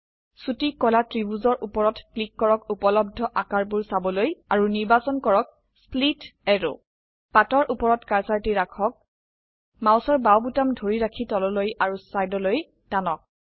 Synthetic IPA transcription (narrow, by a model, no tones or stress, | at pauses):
sutikːɔlatɹibuzɔɹʔupɔɹɔtklikːɔɹɔkupɔlɔb̚dʱɔʔakaɹbuɹsabɔlojaɹuniɹbasɔnkɔɹɔk̚ | splitɛɹo̰ | patɔɹʔupɔɹɔtkaɹsaɹtiɹakʰɔk̚ | mawsɔɹbawbutamdʱoɹiɹakʰitɔlɔlojaɹusajdɔloj | danɔk̚